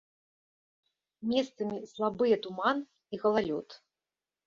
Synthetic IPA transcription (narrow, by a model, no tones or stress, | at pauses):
mʲɛst̪sɐmʲislˠabɨjɛt̪uman | iɣɐlˠalʲɔt̪